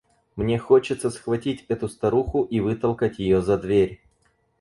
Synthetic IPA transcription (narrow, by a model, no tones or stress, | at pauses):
mnʲe̞xot͡ɕɪt̪səsxvɐtʲitʲɛt̪ʊst̪ɐɾuxʊʔivɨt̪əlˠkətʲjɪjozɐd̪vʲeɾʲ